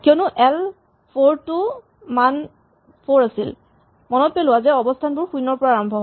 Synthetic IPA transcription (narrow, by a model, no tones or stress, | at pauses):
kiɔnuʔɛl | pʰoɹtu | man | pʰoɹasḭl | mɔnɔt̚pelʊwazɛɔbɔstʰanbʊɹxujnɔɹpɔɹaːɹambʱɔɦ